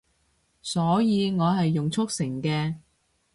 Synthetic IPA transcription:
sɔː˨˥jiː˨˧ŋɔː˨˧ɦɐ˨jːʊ˨ŋt͡sʰʊ˥k̚sɪ˨˩ŋkɛː˧

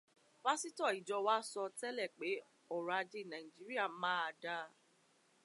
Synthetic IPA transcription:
wa˦si˦tɔ˦˨i˨d͡ʒɔ˧wa˦sɔ˧tɛ˦lɛ˦˨k͡pe˨˦ | ɔ˦˨ɾa˨˧d͡ʒe˦˨nã˨ĩ˨d͡ʒi˨˦ɾi˦a˦˨˦mãː˦a˧da˧

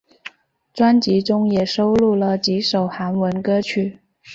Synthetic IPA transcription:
ʈ͡ʂwa˥nt͡ɕi˧˥ʈ͡ʂʊ˥ŋjɛ˨˩ʂo˥ʊlu˥˩lə˩t͡ɕi˧˥ʂo˨˩ʊxa˧˥nwə˧˥nkɤ˥t͡ɕʰy˥˩

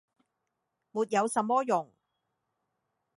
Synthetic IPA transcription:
muː˨t̚jɐ˨˧wsɐ˨mːɔː˥jʊ˨˩ŋ

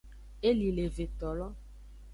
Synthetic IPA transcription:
e˦li˨le˨ve˨t̪ɔ˨lɔ˦

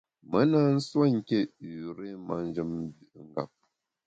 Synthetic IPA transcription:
mə˨˦na˦n̩˦swa˦ŋ̩˨kʲe˦˨ɾe˦ma˦n˦d͡ʒə˦m˦bi˨ŋ̩˨ɡa̰˨p̚

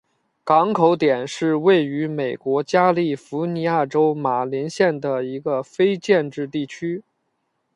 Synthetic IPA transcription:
kɑ˧˥ŋkʰo˧˥ʊt̪jɛ˨˩nʂɻ̩˥˧we˥˩ɪy˧˥me˨˩ɪkwɔ˧˥t͡ɕja˥li˥˩fu˧˥ni˧˥a˥˩ʈ͡ʂo˥ʊma˨˩li˧˥nɕjɛ˥˩nd̪ə˩i˧˥ɡə˧fe˥ɪt͡ɕjɛ˥˧nʈ͡ʂɻ̩˥˧t̪i˥˩t͡ɕʰy˥

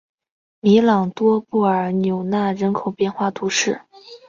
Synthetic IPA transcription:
mi˧˥lɑ˨˩ŋt̪wɔ˥pu˥˩ə˞˧˥njo˨˩ʊna˥˩ɻə˧˥nkʰo˨˩ʊpjɛ˥˧nxwa˥˩t̪ʰu˧˥ʂɻ̩˥˩

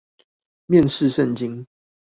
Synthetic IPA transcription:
mjɛ˥˨nʂɻ̩˥˨ʂə˥˨nt͡ɕi˦n

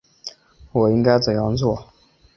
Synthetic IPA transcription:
wɔ˨˩i˥ŋka˥ɪt͡sə˨˩jɑ˥˧ŋt͡swɔ˥˩

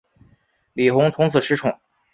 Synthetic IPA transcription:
li˨˩xʊ˧˥ŋt͡sʰʊ˧˥ŋt͡sʰɹ̩˨˩ʂʰɻ̩˧˥ʈ͡ʂʰʊ˨˩˦ŋ

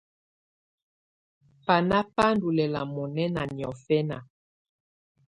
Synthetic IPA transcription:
pa˨na˦pa˦n˦du˨lɛ˨la̰˨mɔ˨nɛ˦na̰˨njɔ˨fɛ˦na˨

